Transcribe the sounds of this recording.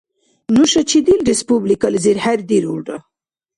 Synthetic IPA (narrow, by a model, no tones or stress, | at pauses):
nuʃɐt͡ʃid̪ilɾespublikalziɾhaɾd̪iɾuɖa